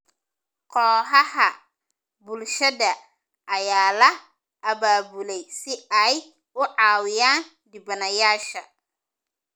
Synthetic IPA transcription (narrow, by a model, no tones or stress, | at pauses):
qʰɔːɦɐhɐ | bʊlʃɐðɐ | ʔɐjaːlɐ | ʔɐbaːbʊlɛjsɪɐj | ʊʕɑːwɪjaːn | d̪ɪbɐnɐjaːʃɐ